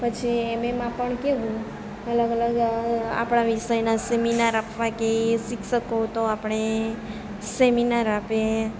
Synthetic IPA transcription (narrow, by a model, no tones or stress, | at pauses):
pət͡ʃʰiememãpəɳkeʋũ | ələɡələɡa̰pɽ̃aʋiʃəjnaseminaɾapʰʋãkesikʰʃəkot̪oapɳ̃e | seminaɾape